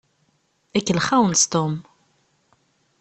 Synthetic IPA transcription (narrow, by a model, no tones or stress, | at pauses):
ækːəlχæwənst̪om